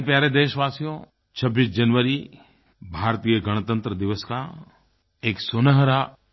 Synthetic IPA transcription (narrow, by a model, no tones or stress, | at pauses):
pjaːɾed̪eːʃʋaːsijõ | t͡ʃʰɐbːiːsd͡ʒɐnʋəɾi | bʱaːɾt̪ijəɡəɽ̃t̪ə̃nt̪ɾəd̪ɪʋəska | eːksʊnəɦɾa